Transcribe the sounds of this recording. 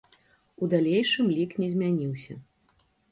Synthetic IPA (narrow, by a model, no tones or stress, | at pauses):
ud̪alʲejʂɨmlʲiknʲɛzʲmʲanʲiwsʲɐ̰